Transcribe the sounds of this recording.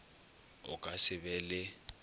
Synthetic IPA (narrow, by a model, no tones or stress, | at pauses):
ʊ̰kʼasɪbɛlɪ